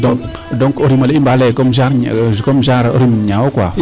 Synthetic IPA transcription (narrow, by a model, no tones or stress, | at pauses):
dɔ | dɔŋkoɾimaleimbalɛkɔmzaɾkɔmzaɾoɾimɲawkwa